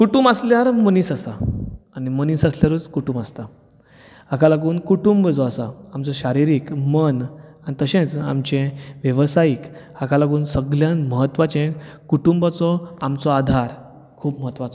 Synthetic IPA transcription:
kuʈuːmbasljaɾməniːsasaaniməniːsasljaɾuːt͡skuʈuːmbast̪a | akalaɡuːnkuʈumbəd͡zɔasaamt͡sɔɕaɾiɾiːkmənanit̪əɕẽt͡sa̰mt͡ɕẽʋjəʋsaiːk | akalaɡuːnsəɡljãnməɦət̪ːʋat͡ɕẽkuʈumbat͡sɔamt͡sɔad̪ʱaɾ | kʰuːbməɦət̪ːʋat͡sɔ

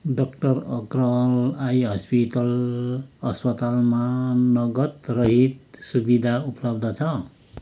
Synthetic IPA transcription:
ɖʌkʈʌrʌkrʌlajɦʌspiʈʌl | ʌspʌt̪almanʌɡʌt̪rʌɦit̪̚subid̪ʱaupʌlʌb̚d̪ʱʌt͡sʰʌ

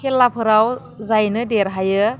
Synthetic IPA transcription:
kelːapʰɯɾaw | zajnɯdeɾɦajɯ

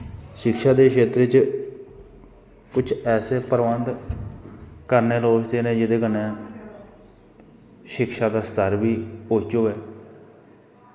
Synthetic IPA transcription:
ʃɪkʃaːd̪eːkʰeːt̪ɾet͡ʃ | kʊt͡ʃʰɛːseːpəɾʋənd̪ | kəɾneːloːd͡ʒd̪eːnẽːd͡ʒɪd̪eːkənːeː | ʃɪkʃaːd̪aːst̪əɾbiːoːt͡ʃoːʋɛː

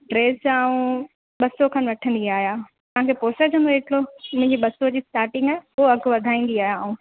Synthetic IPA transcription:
ʈɾeːsaːũ | ɓɐsokʰanʋɐʈʰə̃nd̪iaːɦjat̪ɐɦãŋkʰepoːsəɾd͡ʑʰə̃nd̪oɦeʈɽomʊ̃ɦɪ̃ɲd͡ʑiɓɐsod͡ʑiːsʈaːɾʈɪ̃ŋɡaːɦoɐɡʱʋɐd̪ʱaːĩːn̆d̪iaːijaːũ

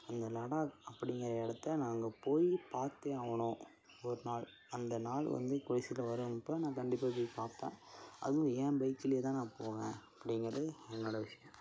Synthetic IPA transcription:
ɐnd̪ɐlɐɽaːɐpːɐɽɪŋɡɐɾɐɛɽɐt̪ːɐnaːŋɡɐpoːjipaːɾt̪ːẽːaːʋɐɳõː | ɔɾɯnaːɭ | ɐnd̪ɐnaːɭʋɐ̰nd̪ɯkʊɻɪsɪlɐʋɐɾɯmpːoːnãːkɐɳɖɪpːaːp̬oːjipaːɾpḛ̃ːʔɐ̰ðɯʋõɛ̃ːbɐɪkːɪlɪjeːt̪ãːnãːpoːɣɛ̃ːɐpːɐɽɪŋɡɐɾɐðɯɛnːoːɽɐʋɪʂɐjɐ̃

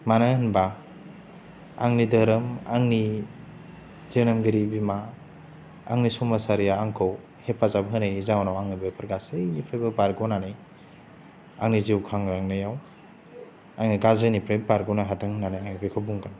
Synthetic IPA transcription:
mananba | a̰ŋnidəɾɯmaŋni | zenamɡiɾibima | a̰ŋnisumasaɾijaːŋkʰɯw | hepʰːazabɦɯnajnizawnawaŋnibepʰɯɾɡasejnipʰɾebɯbaɾɡownane | aŋniziwkʰaŋɾaŋnɯjaw | aŋniɡazɯnipʰɾebbaɾɡɔwnaɦatʰaŋnanajaŋibikʰabuŋɡan

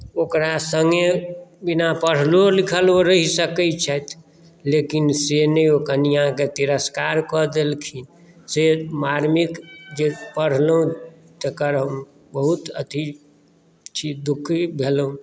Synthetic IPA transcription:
okɾasəŋɡebinapəɽ̤lolikʰəloɾəɦisəkət͡ʃʰət̪ʰ | lekinseneokənijɦãket̪iɾəskaɾkɔd̪elkʰin | semaɾmikd͡ʒepəɽ̤lũ | t̪əkəɾɦəm | bəɦut̪ət̪ʰi | t͡ʃʰid̪ukʰbʱelũ

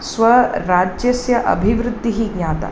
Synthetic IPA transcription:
sʋɐɾaːd͡ʒjɐsjɐʔɐ̰bʱiʋɾud̪ʱːiɦiɡɲaːt̪a̰

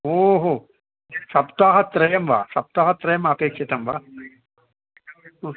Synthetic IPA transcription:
oːɦoː | sɐpt̪aːɦɐt̪ɾɐjɐmʋa̰ːsɐp̚t̪aːɦɐt̪ɾɐjɐmɐpeːkʂit̪ɐmʋa̰ː

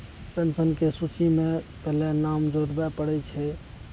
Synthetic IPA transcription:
pensənkesut͡ʃimepɛɦlɛnamd͡ʒoɾbɛpəɽɛt͡ʃʰɛ

